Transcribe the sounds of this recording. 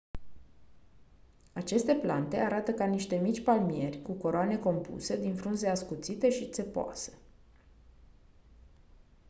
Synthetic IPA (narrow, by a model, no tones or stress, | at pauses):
at͡ʃe̞st̪e̞plant̪e̞aɾat̪əkaniʃt̪e̞mit͡ʃʲpalmie̞rʲkuko̞ɾoane̞ko̞mpṵse̞d̪infɾunzeaskut̪sit̪e̞ʃit̪se̞poa̰se̥